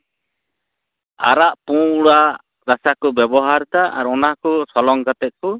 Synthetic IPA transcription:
a̰ɾaʔpũuɽa | ɾasakɔbjɛbɔɦaɾt̪aʔa̰ɾɔnakɔsɔlɔŋkat̪ɛt̪̚ˀku

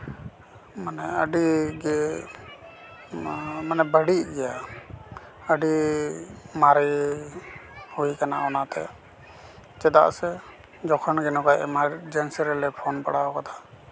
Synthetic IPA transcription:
manɛəɖiɡɛ | manɛbəɽiʔɡɛja | əɖi | maɾi | hujkana̰ɔnat̪ɛ̰ | t͡ʃɛd̪a̰ʔsɛ | d͡ʒɔkʰɔnɡɛnɔkajʔɛ̰maɾd͡ʒɛnsiɾɛlɛpʰɔnpaɽaɔkat̪ʰḁ

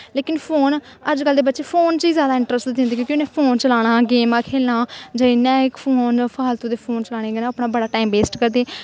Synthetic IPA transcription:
leːkɪnpʰoːn | əd͡ʒkəld̪eːbətːʃeːpʰoːnt͡ʃiːzjaːd̪aːɪ̃ɳʈɾəsʈd̪ɪ̃nd̪eːkjõːkjʊnẽːpʰoːnt͡ʃəlaːɽ̃aːɡeːmãːkʰeːlnaːd͡ʒaːinɛ̃ːɪkpʰoːnpʰaːlt̪ũːd̪eːpʰoːnt͡ʃəlaːɽ̃eːɡnãəpɽ̃aːbəɽaːʈaːimbeːsʈkəɾd̪eː

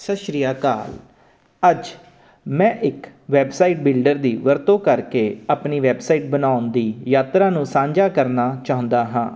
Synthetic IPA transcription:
səʃɾijaːka̰ːl | əd͡ʒ | mɛ̃ːʔɪkʋɛːbsaːiːʈ̚bɪlɖəɾd̪iːʋəɾt̪õːkəɾkeːaːpniːʋɛːbsaːiːʈ̚bənaːʊnd̪iːjaːt̪ɾaːnũːsãːɲd͡ʒaːkəɾnaːt͡ʃaːɦʊ̃nd̪aːɦãː

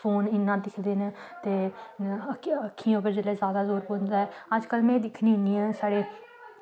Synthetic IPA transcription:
pʰoːnɪnːãːd̪ɪsd̪eːnt̪eː | əkʰːĩʊkəɾd͡ʒəlɛːzjaːd̪aːzoːɾpoːnd̪aːɛːəd͡ʒkəlmɛ̃ːd̪ɪkʰnĩːniːãːsaːɽeː

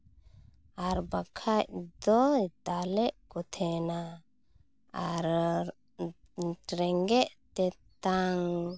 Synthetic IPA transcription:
aɾbakʰac̚d̪ɔt̪alɛʔkɔt̪ʰɛna | aɾ | ɾɛŋɡɛʔt̪ɛt̪aŋ

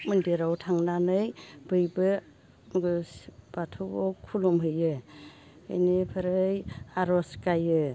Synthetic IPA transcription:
mɯndeɾawtʰaŋnanɯjb̥ɯjbɯ | b̥atʰuɔkʰulɔmɦɯjɯ | ɯ̰jnipʰɯɾɯjaɾɔskajɯ

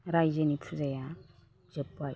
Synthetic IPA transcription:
ɾajzənitʰuzaja | z̥ɯpːaj

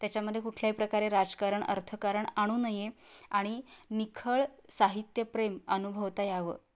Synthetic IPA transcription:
t̪jat͡ɕjaməd̪ʱːjekuʈʰljapɾəkaɾeɾad͡zkaɾəɳə̰ɾt̪ʰəkaɾəɳaɽ̃uːnəjeaɽ̃inikʰəɭsaɦit̪jəpɾemənubʱəʋt̪ajaʋə̰ː

